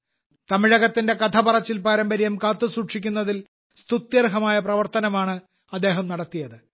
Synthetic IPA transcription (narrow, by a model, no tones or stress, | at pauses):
t̪ɐmiɻɐɣɐt̪ːinde̞kɐt̪ʰɐbɐrɐt͡ɕːilpaːɾɐmbɐɾijɐmkaːt̪ːɨsuːʈʂikʲːunːɐðil | st̪ut̪jɐrɦɐmaːjɐprɐʋɐrt̪ɐnɐmaːɳɨ | ɐd̪ːe̞ːɦɐmnɐɽɐt̪ːijɐðɨ